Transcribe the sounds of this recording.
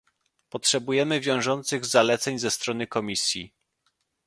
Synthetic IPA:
pɔtʂɛbujɛmɘvʲjɔ̃w̃ʐɔnt̪sɘɣzalɛt̪sɛɲzɛst̪ɾɔnɘkɔmʲisʲji

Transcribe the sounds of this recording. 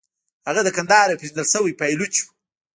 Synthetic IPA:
haɣad̪əkand̪ɑːɾapizd̪əlsəwijpajlut͡ʃu̥

